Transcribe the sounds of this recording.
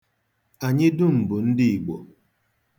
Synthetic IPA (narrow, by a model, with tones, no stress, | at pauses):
a˨ɲɪ˦dʊ˦m̩˨bʊ˨n̩˦dɪ˦i˨ɡ͡bo̰˨